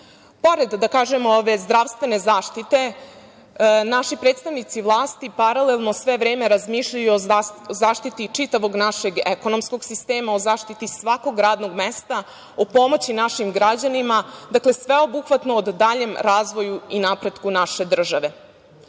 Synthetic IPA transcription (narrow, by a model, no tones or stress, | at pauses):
po̞ɾed̪ːakaːʒe̞mooʋe̞zd̪ɾaʋst̪ʋe̞ne̞zaːʃt̪it̪e̞ | naʃipɾet̪st̪aʋnit̪siʋlˠaːst̪ipaɾalelˠno̞sʋe̞ʋɾeːme̞ɾazmiːʃʎajuozaːʃt̪it̪it͡ʂit̪aʋo̞ɡnaʃe̞ɡeko̞no̞msko̞ɡsist̪eːmao̞zaːʃt̪it̪isʋako̞ɡɾaːd̪no̞ɡmest̪a | opo̞mot͡ɕinaʃimɡɾad͡ʑanimad̪akle̞sʋe̞o̞buxʋat̪noːd̪ːaʎe̞mɾaːzʋo̞juinapɾe̞d̪kunaʃe̞d̪r̩ʒaʋe̞